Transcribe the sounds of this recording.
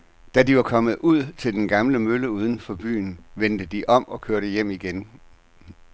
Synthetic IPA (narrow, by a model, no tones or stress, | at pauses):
d̥ædiʋɑ̈kʰɒ̽məð̞̩ˠuð̰ˠt͡sʰe̝ld̥enɡ̥ɑ̈mləmøləuːð̞ˠən̩fɒ̽b̥y̰ːnʋend̥əd̥iʔɒ̽m̰ɒ̽kʰøɐɾəjem̰iɡ̥en